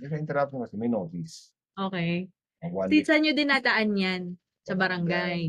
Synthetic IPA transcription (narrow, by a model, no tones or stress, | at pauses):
mɛsɐɪnt̪ɛɾap̚sokɐsɛmɐjnoːt̪is | ʔoːkɛj | want̪isɐnɲod̪ɪnat̪ɐʔanjan | sɐbɐɾɐŋɡaj